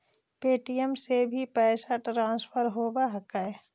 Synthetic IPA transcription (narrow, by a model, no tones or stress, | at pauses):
peːʈijəmsebʱipɛːsaʈɾãːnspʰəɾɦoːbaɦəkae